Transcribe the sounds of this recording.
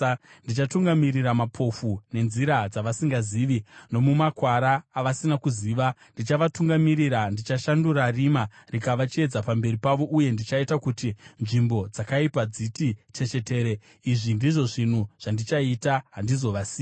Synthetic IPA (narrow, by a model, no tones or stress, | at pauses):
ndit͡ʃatuŋɡamiriɾamapʰo̞fune̞nziɾad͡zaʋasiŋɡaziːʋino̞mumakwaɾaːʋasinakuziʋandit͡ʃaʋatuŋɡamiɾiɾandit͡ʃaʃandurarimarikaʋat͡ʃie̞d͡zapambe̞ripaʋo̞ʔuje̞ndit͡ʃaitakutinʐimbo̞d͡zakaipad͡zitit͡ʃe̞t͡ʃe̞te̞ːɾe | iʐindiʐo̞ʐin̤uʐ̥andit͡ʃaitaɦandizo̞ʋasiː